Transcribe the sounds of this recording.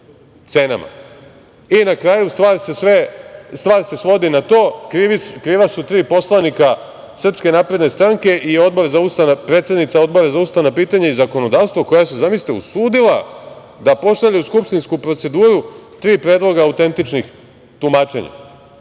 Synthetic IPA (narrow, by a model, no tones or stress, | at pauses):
t̪sena̰ma̰ | inakɾaːjust̪ʋaːɾsesʋest̪ʋaːɾse̞sʋo̞d̪inat̪o̞ːkikɾiːʋasut̪ɾiːpo̞slˠanika | sr̩pske̞naːpɾe̞d̪ne̞st̪ɾaŋke̞ʔio̞d̪̚bo̞ɾazaust̪anapɾeːt̪sed̪nit̪sao̞d̪̚bo̞ɾazaust̪anapiːt̪aɲaizako̞no̞d̪aːʋst̪ʋoko̞jase̞zamist̪eṵsuːd̪ila | d̪apo̞ʃaʎeuskupʃt̪inskupɾo̞t̪se̞d̪uːɾut̪ɾiːpɾeːd̪lˠo̞ɡaːut̪e̞nt̪it͡ʃnix | t̪umaːt͡ʃe̞̰ɲa̰